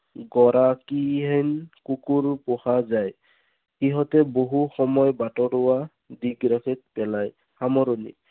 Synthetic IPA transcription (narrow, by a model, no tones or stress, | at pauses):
ɡɔɾakiɦɛjnkukuɹpʊhazaj | iɦɔtɛboɦuxɔmɔjbatɔɾʊwa | diɡɹakʰɛt̚pɛlaj | xamɔɾonḭ